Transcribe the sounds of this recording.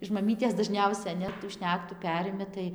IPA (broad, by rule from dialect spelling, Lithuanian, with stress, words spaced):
ɪʃ mɐˈmʲiːtʲeːs dɐˈʒʲnʲɛʊsʲɛ nʲɛ tuː ˈʃʲnʲæːktuː ˈpʲæːrʲɪmʲɪ tɐɪ